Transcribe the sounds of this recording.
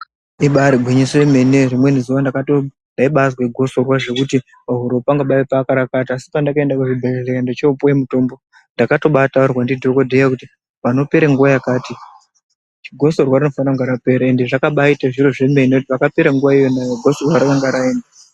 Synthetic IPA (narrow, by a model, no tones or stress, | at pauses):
iɓaɾiɡʱwiɲiseme̞nerimwe̞nizuʋandakato | ndaiɓazweɡʱoso̞rwaʐe̞kuti | paɦuɾopaŋɡaɓaepaːkaɾakatiasi̥pandakae̞ndakuʐibʱezelekandet͡ʃepuemuto̞ːmbo̞ | ndakato̞ɓataurwandidʱo̞ko̞dʱejakuti | pano̞peɾaŋɡuʋajakaːti | t͡ʃiɡʱo̞so̞rwarino̞fanraŋɡaɾape̞ɾae̞ndeʐakaɓaitaʐiroʐemeneutiʋakapeɾaŋɡuʋaijo̞najoɡʱosorwaɾakaŋɡaɾaeːnda